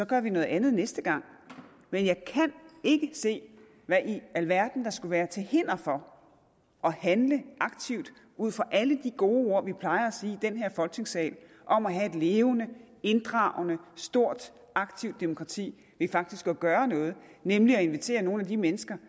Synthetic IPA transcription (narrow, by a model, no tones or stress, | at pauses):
sɒ̽ɡ̥ɶɐʋinɔ̽ð̩ˠænð̩ˠnesd̥əɡ̥ɑ̈ŋ̰ | menjɑ̈ɪkʰæne̝ɡ̥əse̝̰ː | ʋæʔiælʋæɐ̰d̥n̩d̥ɑ̈sɡ̥uʋæːɐt͡sʰe̝lhe̝n̰ɐfɒ̽ | ʔɒ̽hænləʔɑ̈ɡ̥̚t͡sʰiʊd̥ | uð̰ˠfɒʔæləd̥iɡ̥o̝ːo̝ɐ̰ʋipʰlɑ̈ɪɐæsiːid̥enɦe̝ɐ̰fɒ̽lɡ̥ne̝ŋsɛ̰ːl | ʔɒ̽mæɦæe̝d̥le̝ːʊnə | e̝nd̥ʁɑ̰̈ʊnəsd̥o̝ɐ̰d̥ | ʔɑ̈ɡ̥̚t͡sʰiʊd̥e̝mo̝kʰʁɑ̈t͡sʰḭː | ʋefɑ̈ɡ̥̚d̥isɡ̥ɒɡ̥ɶːɐnɔ̽ːð̞̩ˠnemliɒe̝nʋit͡sʰe̝̰ːɐno̝ːnæd̥imenəsɡ̥ɐ